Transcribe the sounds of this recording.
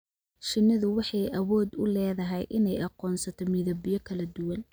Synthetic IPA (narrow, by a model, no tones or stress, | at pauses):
ʃɪnːɪðʊwɑħɑjʔɐwɔːd̪ʊlɛːðɐɦɛjʔɪnɛjɑqɔːnsɐt̪ʰɔmiðɐbɪjɔkʰɐlɐd̪ʊwɐn